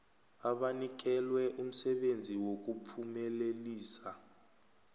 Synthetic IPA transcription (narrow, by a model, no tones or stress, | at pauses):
aɓanik̬ɛlwɛʔum̩sɛɓend͡zʱiwok̬upʰumɛleliːsa